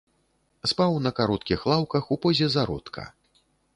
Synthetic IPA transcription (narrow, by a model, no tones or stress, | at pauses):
spawnɐkaɾɔt̪kʲixlˠawkɐxupɔzʲɛzaɾɔ̰t̪kʰɐ̰